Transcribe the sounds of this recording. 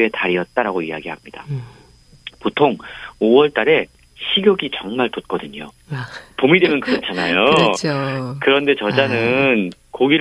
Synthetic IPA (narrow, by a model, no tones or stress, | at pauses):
e̞taɾiʌt̚t͈aɾaɡoijaɡiɦamɲid̥a̰ | potʰoŋowʌɭt͈aɾe̞ | ɕʰiɡjʌɡit͡ɕʌŋmaɭtot̚k͈ʌdɯɲo̰ | pomidwe̞mjʌnkɯɾʌt͡ɕʰanajo | kɯɾʌnde̞t͡ɕʌd͡ʑanɯn | koɡiɾ